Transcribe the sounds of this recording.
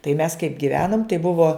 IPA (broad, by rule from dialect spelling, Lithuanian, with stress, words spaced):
tɐɪ mʲɛs kɐɪp ɡʲɪˈʋʲæːnoːm tɐɪ ˈbʊʋoː